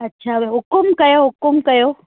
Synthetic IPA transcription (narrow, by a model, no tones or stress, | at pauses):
ɐtːʃʰaʋeɦʊkumkɐjoɦʊkumkɐjo